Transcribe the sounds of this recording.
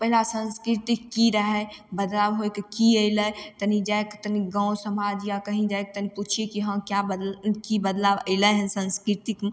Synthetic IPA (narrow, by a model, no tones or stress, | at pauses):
pəɦilasə̃nskɾit̪ikːiɾəɦɛbəd̪labɦojkkiəɪlət̪ənid͡ʒajkt̪əniɡãwsəmad͡ʒjakəɦĩd͡ʒaek̚t̪əniput͡ʃʰiekiɦə̃mkjabəkibəd̪laʋə̰ɪləɦənsə̃nskɾit̪ikm